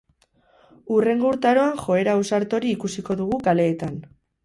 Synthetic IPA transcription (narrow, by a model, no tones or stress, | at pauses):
ure̞ŋɡouɾt̪aɾo̞aŋxo̞e̞ɾausaɾt̪o̞ɾiːkusiko̞ðuɣukale̞ːt̪an